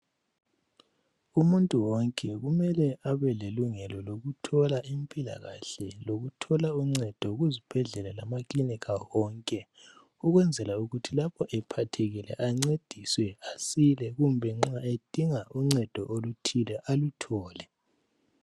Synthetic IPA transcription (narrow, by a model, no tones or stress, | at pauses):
umuntʼuwɔŋkʼɛɣumɛlɛʔaβɛleluŋɛlɔloɣutʰɔlaimpʼila̰ɣa̰ɬɛloɣutʰɔlauŋ͡ǀɛd̥ʱɔɣuzib̥ʱɛɮɛlɛlamaklinikʰawɔŋkʼɛ | uɣwɛnd͡zʱɛlauɣutʰilapʰɔʔɛpʰatʰeɣilɛ̰ʔaŋ͡ǀed̥ʱiswɛasilɛɣumbʱɛŋ͡ǁaed̥ʱiŋauŋ͡ǀɛd̥ʱɔ̰ʔolutʰilɛʔalutʰɔːlɛ